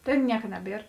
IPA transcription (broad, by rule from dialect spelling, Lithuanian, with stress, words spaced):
ˈtʲeːn ˈnʲiɛkɐ ˈnʲæːˌbʲiɛr